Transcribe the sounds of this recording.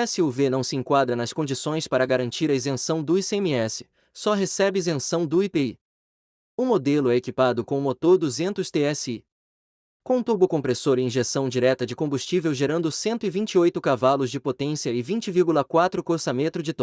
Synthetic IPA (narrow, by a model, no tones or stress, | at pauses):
ɛsɪuvenɐ̃w̃sɪẽŋkwad̪ɾɐnɐskõd͡ʒisõj̃spaɾɐɡaɾɐ̃nt͡ʃiɾɐizẽsɐ̃w̃d̪ʊisẽmiɛsɪ̥ | sɔɦesɛbɪizẽsɐ̃w̃d̪ʊipei | ʊmod̪elʊɛekipad̪ʊkõʊmot̪oɾd̪uzẽnt̪ʊst̪eɛsi | kõt̪ubʊkõpɾesoɾɪ̃ĩʒesɐ̃w̃d͡ʒiɾɛt̪ɐd͡ʒɪkõmbust͡ʃivewʒeɾɐ̃nd̪ʊsẽnt̪ʊɪvĩt͡ʃɪojt̪ʊkavalʊzd͡ʒɪpot̪ẽsiɐɪvĩt͡ʃɪviɾɡulɐkwat̪ɾʊkoɾsɐmẽt̪ɾʊd͡ʒɪt̪ɔ